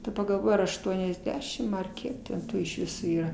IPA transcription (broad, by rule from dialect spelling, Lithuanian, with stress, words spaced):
dɐˈbɐ ɡɐlˠˈʋoːj ɐr ɐʃˈtuɔnʲɛzʲˌdʲæːʃʲɪm ɐr ˈkʲiɛk tʲɛn ˈtuː ɪʃ ˈʋʲɪsoː ˈiːrɐ